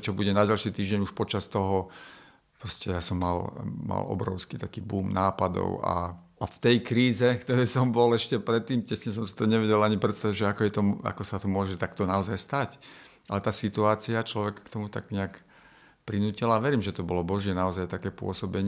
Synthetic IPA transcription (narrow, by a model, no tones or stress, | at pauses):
t͡ʃɔbuɟɛnaɟalʃiːt̪iːʒɟɛɲuʃpɔt͡ʃast̪ɔɦɔ | pɾɔscɛjasɔmːalma̰lʔɔ̰bɾɔ̰ʊskit̪akiːbuːmnaːpad̪ɔ̰ʊa̰ | aft̪ɛjkɾiːzɛkt̪ɔɾɛːsɔmbɔlɛʃcɛpɾɛt̪ːiːmcɛsɲɛs̬ɔmsi̥t̪ɔɲɛʋɛɟɛlaɲipɾɛt̪st̪aʋiʒɛakɔjɛt̪ɔma̰kɔsat̪ɔmʊɔʒɛt̪akt̪ɔnaɔzajst̪ac | ʔalɛt̪aːsit̪uaːt͡siat͡ʃlɔʋɛkkt̪ɔmut̪a̰ɡɲɛak | pɾinuːcilaːʋɛɾiːmʒɛt̪ɔbɔlɔbɔʒɪɛnaɔzajt̪akɛːpʊɔ̰sɔbɛɲ